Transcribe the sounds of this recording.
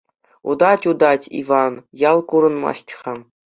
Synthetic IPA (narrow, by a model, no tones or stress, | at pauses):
ud̪ɑtʲud̪ɑtʲḭvɑnjɑlˠkuɾɤ̆nmɑ̰stʲχɑ